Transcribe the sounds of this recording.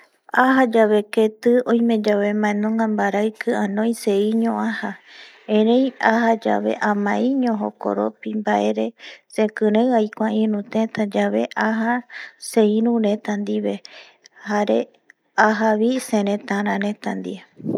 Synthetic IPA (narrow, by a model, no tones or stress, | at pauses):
aɦad͡ʒaβe̞ket̪ɨõj̃mẽ̞d͡ʒaβe̞mãẽnõŋɡambaɾaɨkʰɨãnõj̃seiɲõʔaha | ẽɾẽjahad͡ʒa̰βe̞̰ʔãmãʔĩɲõɦo̰ko̰ɾo̰pimbaʔe̞ɾe̞sẽkɨ̃ɾẽajkʷaĩɾũt̪ẽt̪ad͡ʒaβe̞ʔaɦaseĩɾũɾẽ̞t̪and̪iβe̞ | haɾe̞ | aɦaβisẽɾẽt̪ãɾ̃ãɾẽ̞t̪and̪ḭe